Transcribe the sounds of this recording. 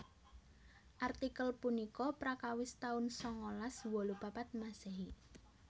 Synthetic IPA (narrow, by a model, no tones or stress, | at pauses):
ʔart̪ikəlpunikɔpɾakawɪst̪aʊnsɔŋolaswɔlupapat̪̚maseɦi